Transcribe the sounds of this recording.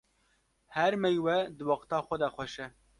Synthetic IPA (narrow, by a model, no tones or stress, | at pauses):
hɛɾmɛjwɛd̪ɨwɑqt̪ɑːxʷɛd̪ɛxʷɛʃɛ